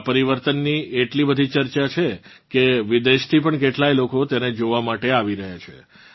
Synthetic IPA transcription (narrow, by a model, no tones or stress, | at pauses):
pəɾiʋəɾt̪ənːieʈlibəd̪ʱit͡ʃəɾt͡ʃat͡ʃʰe | keʋid̪eʃt̪ʰipəɳkeʈlajlokot̪ened͡ʒoʋamaʈeaʋiɾəɦjat͡ʃʰḛ